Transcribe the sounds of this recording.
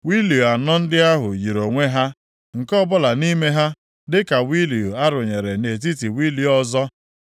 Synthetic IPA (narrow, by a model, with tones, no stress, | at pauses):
wi˦li˨o˨a˨nɔ˦n̩˦dɪ˦a˦ɦʊ˨ji˨ɾo˨ŋʷe˦ɦa˦ | ŋ̩˨kɔ˦bʊ˦la˨ni˦me˦ɦa˦ | dɪ˦ka˨wi˦li˨o˨a˦ɾʊ˨ɲe˨ɾe˨ne˨t̬i˦ti˨wi˦li˦ɔ˦zɔ˦